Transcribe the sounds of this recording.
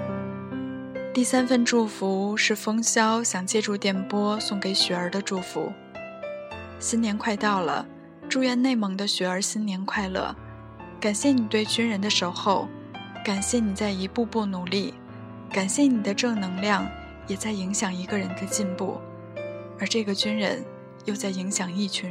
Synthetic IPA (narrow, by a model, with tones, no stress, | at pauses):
t̪i˥˩sa˥nfə˥nʈ͡ʂu˥˩fu˧˥ʂɻ̩˥˩fɤ˥ŋɕjɑ˥ʊɕjɑ˨˩ŋt͡ɕjɛ˥˧ʈ͡ʂu˥˧˩t̪jɛ˨˩npwɔ˥sʊ˥˩ŋke˧˥ɪɕɛ˨˥ə˞˧˥d̪ə˧ʈ͡ʂu˥˩fṵ˧˥ | ɕi˥njɛ˧˥nkʰwa˥˧ɪt̪ɑ˥˩ʊlə̰˩ | ʈ͡ʂu˥˧ɥɛ˥˧nne˥˩ɪmɤ˧˥ŋd̪ə˧ɕɛ˧˥ə˞˧˥ɕi˥nnjɛ˧˥nkʰwa˥˧ɪlɤ̰˥˩ | ka˨˩nɕjɛ˥˩ni˨˩t̪we˥˧ɪt͡ɕy˥nɻə˧˥nd̪ə˧ʂo˧˥ʊxo˥˩ʊ | ka˨˩nɕjɛ˥˩ni˨˩t͡sa˥˩ɪi˧˥pu˥˧pu˥˩nu˨˩li˥˩ | ka˨˩nɕjɛ˥˩ni˨˩d̪ə˦ʈ͡ʂɤ˥˩nɤ˧˥ŋljɑ˥˩ŋ | jɛ˨˩t͡sa˥˩ɪi˧˥ŋɕjɑ˨˩ŋi˧˥ɡə˧ɻə˧˥nd̪ə˧t͡ɕi˥˧npṵ˥˩ | ə˞˧˥ʈ͡ʂɤ˥˩ɡə˩t͡ɕy˥nɻə̰˧˥n | jo˥˧ʊt͡sa˥˩ɪi˧˥ŋɕjɑ˨˩ŋi˥˩t͡ɕʰy˧˥